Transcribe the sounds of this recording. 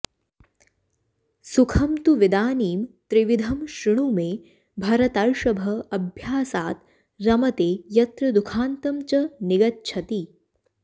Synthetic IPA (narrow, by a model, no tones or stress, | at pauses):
sukʰɐmt̪uʋid̪aːniːmt̪ɾiʋid̪ʱɐmʃɾɪɽ̃umẽː | bʱɐɾɐt̪ɐɭʃɐbʱɐɐbʱjaːsaːt̪̚ | ɾɐmɐt̪eːjɐt̪ɾɐd̪ukʰaːnt̪ɐmt͡ʃɐnɪɡɐt̪̚t͡ʃʰɐt̪i